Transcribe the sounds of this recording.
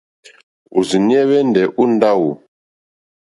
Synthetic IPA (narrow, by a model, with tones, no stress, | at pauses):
u˨zi˨ni˦ɛ˦βɛ˦n˨dɛ˨ʔu˦n˦da˦wu˨